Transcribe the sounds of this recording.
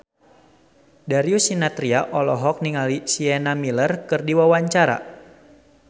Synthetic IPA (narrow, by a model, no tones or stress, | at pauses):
daɾiusinat̪ɾiaʔɔlɔɦɔk̚niŋalisiɛnamilərkɨrdiwawaɲt͡ʃaɾa̰